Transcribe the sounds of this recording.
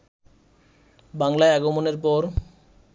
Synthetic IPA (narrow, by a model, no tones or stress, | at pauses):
baŋlaeaɡomoneɾpɔɾ